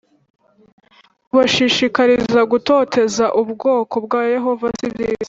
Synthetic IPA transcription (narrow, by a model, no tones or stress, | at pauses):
uβaʃiʃikaɾizaɡuto̞ːte̞zaʔubɡo̞ːko̞bɡaːje̞ɦo̞vasibi